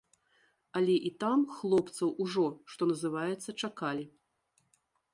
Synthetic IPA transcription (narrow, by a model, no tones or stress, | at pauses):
alʲɛʔit̪amxlˠɔpt̪sɐwuʐɔʂt̪ɔnɐzɨvajɛt̪sːɐt͡ʂakalʲi